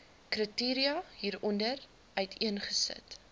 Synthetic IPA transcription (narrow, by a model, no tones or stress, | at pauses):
krətiːɾiɐɦiːɾɔndər | œɥtʰiənχəsə̰t